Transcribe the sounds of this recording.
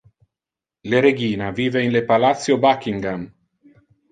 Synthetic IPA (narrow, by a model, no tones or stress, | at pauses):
leɾeɡiːnaviːveinlepalat̪sːjobakiŋɡam